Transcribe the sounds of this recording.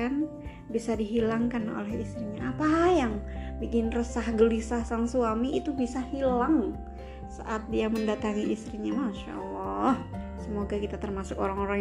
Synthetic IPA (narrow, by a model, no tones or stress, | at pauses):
an | bisadiɦilaŋkano̰lɛhist̪ɾiɲaʔapajaŋbikɪnrəsahɡəlisahsaŋsuamiːt̪ubisahilaŋ | sa̰ʔat̪̚diaməndat̪aŋiist̪ɾiɲamaʃa̰lːɔhsəmoɡakit̪at̪ərmasʊkoɾaŋoɾaŋ